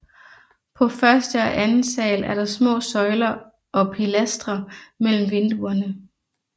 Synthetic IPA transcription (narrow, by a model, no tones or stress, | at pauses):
pʰɒ̽fɶɐsd̥əɒʔænn̩sɛ̰ːlæɐɾ̥ɑ̈smɔ̰̽ːsɒ̽ɪlɐ | ʔɒ̽pʰilæsd̥ʁɐmel̰m̩ʋe̝nd̥uɐnə